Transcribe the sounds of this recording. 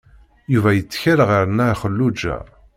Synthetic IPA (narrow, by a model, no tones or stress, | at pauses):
juvæjət͡sːçaɾəʁiɾənæχəlːud͡ʒæ̰